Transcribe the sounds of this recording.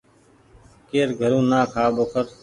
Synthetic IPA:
keːɾɡʱəɾũːnãːkʰaːboːkʰəɾ

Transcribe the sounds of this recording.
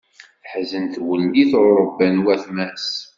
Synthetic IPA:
θħzənθwənd̪iθʊɾˤəbːænwæθmæs

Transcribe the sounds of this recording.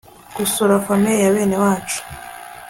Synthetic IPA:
kusoɾafamejaβeːne̞waːt͡ʃu̥

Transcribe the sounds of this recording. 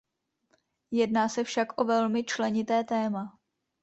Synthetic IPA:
jɛdnaːsɛfʃakʔo̞vɛlmɪt͡ʃlɛɲɪt̪ɛːt̪ɛːma

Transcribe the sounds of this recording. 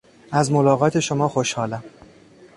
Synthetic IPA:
æzmolɒːɣɒːt̪ʰe̞ʃomɒːxo̞ʃhɒːlæm

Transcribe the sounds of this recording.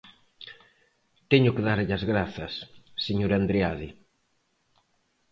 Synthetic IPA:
t̪ɛɲʊkeðaɾʎɐzɣɾaθɐsːeɲoɾand̪ɾeaði

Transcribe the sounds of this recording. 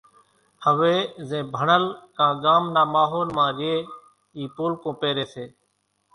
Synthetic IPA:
həʋeːzẽːbʱəɳəlkãːɡaːmnaːmaːɦoːlmãːɡeː | iːpoːlkõːpeːɾeːseː

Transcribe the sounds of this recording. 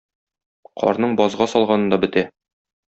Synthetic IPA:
qʰɒ̰ɾnɤɴbɒzʁɑsɒlˠʁɑnɤ̆nd̪ɒbɘ̆t̪æ

